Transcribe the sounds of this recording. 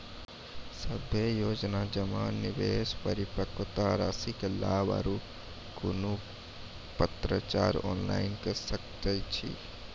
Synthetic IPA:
səbʱjejoːd͡ʒnad͡ʒəmaːnːɪʋeːspəɾɪpəkt̪aɾasikela̰ːba̰ɾu | kʊnu | pət̪ɾət͡ʃa̰ːɾɔːnla̰ːɪnkəsəkt̪ət͡ʃʰḭ

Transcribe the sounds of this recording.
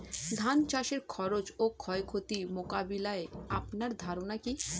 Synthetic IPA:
d̪ʱant͡ɕaʃeɾkʰɔɾot͡ɕokʰɔekʰot̪imokabilaeapnaɾd̪ʱaɾonaki

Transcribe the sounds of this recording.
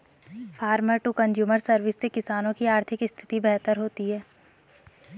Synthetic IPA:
fʰaːɾməɾʈukə̃nd͡ʒjuːməɾsɐɾʋɪsːekɪsaːnõkiaːɾt̪ʰɪkɪst̪ʰɪ̥t̪ibɛɦt̪əɾɦoːt̪iɦɛː

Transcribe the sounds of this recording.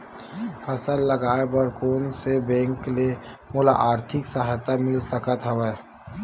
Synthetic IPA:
pʰɐsəlːɐɡaːebəɾkoːnsebɛ̃ːŋklemolaʔaːɾt̪ʰɪksəɦjt̪amɪlsəkət̪ɦəʋeː

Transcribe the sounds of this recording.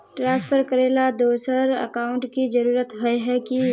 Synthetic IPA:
ʈɾãːspʰəɾkəɾeːlad̪oːsəɾə̰kaːʊ̃ɳʈkid͡ʒɐɾuːɾət̪ɦoeɦɛki

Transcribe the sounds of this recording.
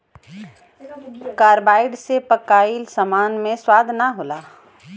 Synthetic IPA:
kaːɾbaːɪɖsepəkaːɪlsəmaːnmẽswaːd̪ʱnaɦoːlaː

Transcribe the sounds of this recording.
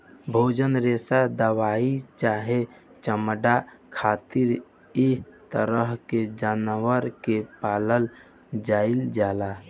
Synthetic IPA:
bʱoːd͡ʒənɾesad̪əwait͡ʃaɦe | t͡ʃəməɖa | kʰaːt̪iɾ | it̪əɾəɦked͡ʒanʋəɾkepaləl | d͡ʒaɪld͡ʒaːla

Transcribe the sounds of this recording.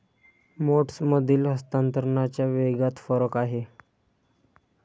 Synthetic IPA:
moʈsməd̪ʱiːlɦəst̪ant̪əɾɳat͡ɕjaʋeɡat̪fəɾəkaɦe

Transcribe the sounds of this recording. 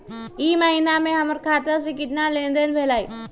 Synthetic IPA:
iːməɦiːnamẽɦɐməɾkʰaːt̪as̬ekɪt̪nalẽːnd̪ənbʱeːlaːḭː

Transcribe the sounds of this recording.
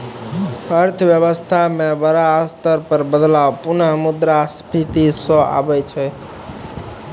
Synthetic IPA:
əɾt̪ʰʋjəβəst̪ʰamebəɾaːst̪əɾpəɾbəd̪lawpunəɦmud̪ɾaspʰit̪isɔ̃a̰bɛt͡ʃʰɛ

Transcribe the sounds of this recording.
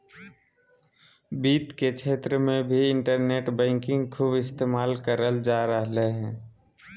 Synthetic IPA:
biːt̪kekt͡ʃʰeːt̪ɾəmẽbʱiɪ̃ɳʈəɾneːʈbɛ̃ːŋkɪ̃ŋɡkʰuːbɪst̪eːmaːlkəɾəld͡ʒaːɾəɦleɦɛ̃ː

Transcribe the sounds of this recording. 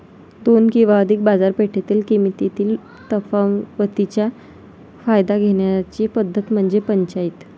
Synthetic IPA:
d̪onkĩw̃ʋaəd̪ʱik̚bad͡zaɾpeʈʰet̪iːlkimit̪it̪iːl | t̪əfaʋət̪it͡ɕja | fajd̪aɡʱeɳjat͡ɕipəd̪ʱːət̪m̤əɳd͡zepəɲt͡ɕait̪

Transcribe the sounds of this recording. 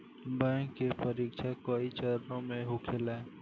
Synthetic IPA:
bə̃kːepəɾiːkʃʰakoːit͡ʃəɾnõmẽɦʊkʰɪlɛː

